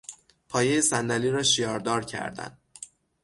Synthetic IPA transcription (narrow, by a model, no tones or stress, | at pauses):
pʰɒːje̞jesænd̪æliːɾɒːʃijɒːɾd̪ɒːɾcʰæ̰ɾd̪æ̰n